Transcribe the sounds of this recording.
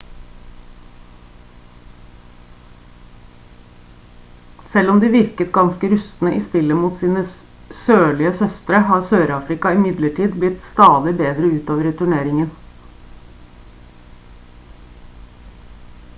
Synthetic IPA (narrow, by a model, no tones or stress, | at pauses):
sɛlɔmd̪iːʋɪɾkət̪ɡɑnskəɾʉsn̩əʔɪst̪ɪlːəmuːt̪siːnə | søːɭɪəsœst̪ɾəhɑːɾsøːɾɑːfɾɪkɑɪmɪd̪ləʈʰiːd̪blɪt̪st̪ɑːd̪ɪbeːd̪ɾəʉːt̪oːʋəɾt̪ʰʉɳeːɾɪŋən